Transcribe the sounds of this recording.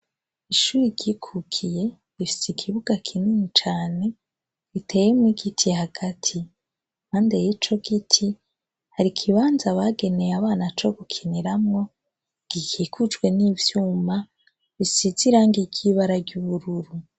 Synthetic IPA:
iʃuːɾiɾɟikʰukʰije̞ | βifi̥sikʰiβuɡakʰininit͡ʃaːne̞ | ɡitʰe̞jemwiɡitʰihaɡ̥atʰi | haːnde̞jit͡ʃo̞ɡitʰi | haɾikʰiβaːnzaβaɡe̞nejaβaːnat͡ʃo̞ɡukʰiniɾamŋo̞ | ɡ̥ikʰikʰud͡ʒwe̞niːvjuːma | βisiziɾaːŋɡiɟiβaɾaɾɟuβuɾuɾu

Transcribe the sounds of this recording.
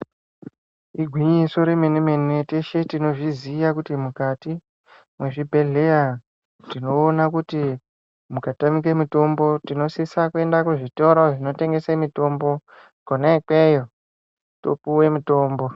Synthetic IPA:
iɡʱwiɲiso̞ɾemenemeneteʃe̞tino̞ʐiziʋakutimukati | mwe̞ʐibʱe̞ɮe̞ja | tino̞ːnakuti | mukatamik̬emito̞mbo̞tino̞sisakue̞ndakuʐito̞ɾo̞ʐino̞te̞ŋɡe̞semito̞mbo̞ | konekejo | to̰puwe̞mito̞ːmbo̞

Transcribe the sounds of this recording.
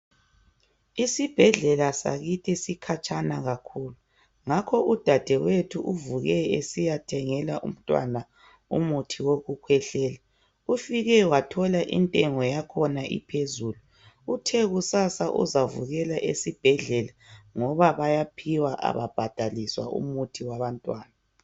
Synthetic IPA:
isib̥ʱɛɮɛlasa̰ɣitʰisikʰat͡ʃʼanaɣakʰuːlu | ŋakʰɔud̥ʱad̥ʱɛwetʰuʔuvuɣɛesijatʰɛŋɛlaʔṵm̩tʼwa̰na | ṵmutʰiwoɣukʰwɛɬɛːla | ufiɣɛwatʰɔlaʔḭntʼɛŋɔjakʰɔnaʔḭpʰezuluː | tʰɛɣusasaʔṵzavṵɣɛlaʔesib̥ʱɛɮɛlaŋɔβaβajapʰiwaʔa̰βa̰b̥ʱad̥ʱaliswa̰ʔṵmutʰiwaβantʼwaːna

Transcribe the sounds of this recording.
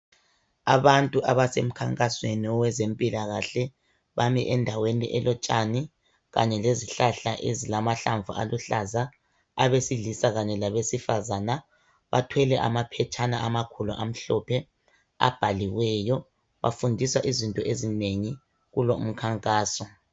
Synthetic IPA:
aβantʼuʔaβasem̩kʰaŋkʼasweniɔwɛzempʼilaɣaɬɛ | βamiʔɛndʱawenḭʔɛlɔt͡ʃʼani | ɣa̰ɲɛleziɬaɬaʔezilamaɬaɱvṵʔa̰luɬaza | a̰βesiɮisaɣaɲɛlaβesifazana | βa̰tʰwɛlɛʔa̰mapʰɛt͡ʃʰʼanaʔamakʰulṵʔam̩ɬɔpʰɛ | a̰b̥ʱaliwɛjɔ | βa̰fundʱiswaʔizintʼɔʔezineŋi | ɣulo̰m̩kʰaŋkʼaːsɔ

